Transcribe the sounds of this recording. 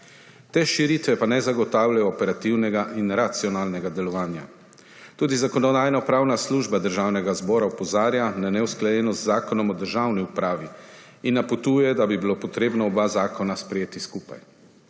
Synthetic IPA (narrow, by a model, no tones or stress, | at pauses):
t̪eːʃiɾit̪ʋɛpanɛzaɡɔt̪aːwlajɔːpɛɾat̪iwnɛɡaʔinɾat̪siɔnaːlnɛɡad̪ɛlɔʋaːnja̰ | t̪uːd̪izakɔnɔd̪aːjnapɾaːwnasluʒbad̪əɾʒaːwnɛɡazbɔːɾaupɔzaːɾjananɛwsklajɛːnɔt̪zaːkɔnɔmɔd̪əɾʒawniupɾaːʋi | inːapɔt̪uːjɛd̪abibilopɔt̪ɾeːbnɔːɔbazaːkɔnaspɾɛjeːt̪iskuːpa̰j